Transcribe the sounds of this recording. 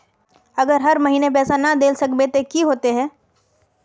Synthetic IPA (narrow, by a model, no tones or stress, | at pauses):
ɐɡəɾɦɐɾmɐɦiːnep̬ɛːsanɐd̪eːlsɐkbet̪ekiɦoːt̪eɦɛ̃ː